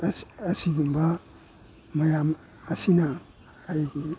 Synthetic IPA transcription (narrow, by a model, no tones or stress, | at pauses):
asiɡimba | majamː | sina | aiɡi